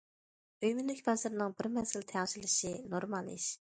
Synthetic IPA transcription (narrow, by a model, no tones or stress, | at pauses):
øjmɪnɪkʲbɑzɑɾnɨŋbɪɾmɛzɪlt̪ʰɛʁʃilɪʃinoɾmɑlˠḭʃ